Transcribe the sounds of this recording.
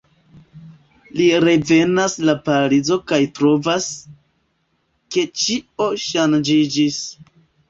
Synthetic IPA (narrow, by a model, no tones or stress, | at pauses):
liɾe̞ve̞naslapaɾid͡zo̞kajtɾo̞vas | ke̞t͡ʃio̞ʃand͡ʒid͡ʒis